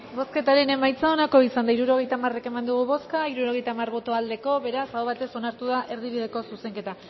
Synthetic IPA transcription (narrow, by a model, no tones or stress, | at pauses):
bo̞ske̞t̪aɾe̞ne̞majt͡sao̞nako̞isand̪aiɾuɾo̞ɣ̞e̞jt̪amare̞ke̞mand̪uɣuβo̞skaiɾuɾo̞ɣ̞e̞jt̪amarβo̞t̪o̞ald̪e̞ko̞βe̞ɾasawβat̪e̞so̞naɾt̪uð̞aʔe̞ɾðiβiðeko̞suse̞ŋke̞t̪a